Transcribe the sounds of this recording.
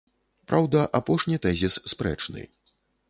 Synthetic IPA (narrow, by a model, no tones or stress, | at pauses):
pɾʔawd̪ɐʔapɔʂnʲit̪ɛzʲisːpɾɛ̰t͡ʂnɨ̰